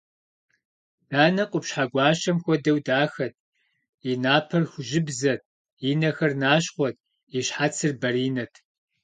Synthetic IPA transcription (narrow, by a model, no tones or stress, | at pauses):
d̥aːnɐqʷʼʊpɕħaːɡʷɑːɕɐmxʷɔdɐwdaːxɐt̚ʰ | inaːpʰɐrxʷʊʒɪbzɐt̚ʰ | inɐxɐrnaːɕχʷɔt̚ʰ | iɕħat͡sʰɨrbɐriːnɐtʰ